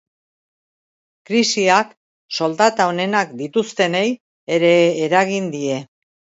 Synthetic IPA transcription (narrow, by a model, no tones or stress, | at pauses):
kɾisiak | so̞ld̪at̪aone̞nakd̪it̪ust̪e̞ne̞j | e̞ɾe̞ːɾaɣind̪ie̞